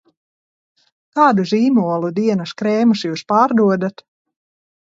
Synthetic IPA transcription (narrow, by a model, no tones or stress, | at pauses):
kaːd̪uziːmuɔlˠud̪iɛnaskɾɛːmusjuːspaːɾd̪uɔd̪at̪